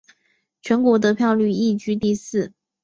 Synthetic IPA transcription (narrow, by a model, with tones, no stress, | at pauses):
t͡ɕʰɥɛ˧˥nkwɔ˧˥t̪̬ɤ˧˥pʰjɑ˥˧ʊly˥˧i˥˩t͡ɕy˥t̪i˥˧sɹ̩˥˩